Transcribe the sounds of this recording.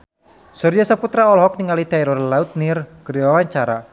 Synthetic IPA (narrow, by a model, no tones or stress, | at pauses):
sɔrd͡ʒasaput̪ɾaɔlɦɔk̚niŋalit̪ɛɾɔrlaut̪̚nirɡ̥ədiwawaɲt͡ʃaɾa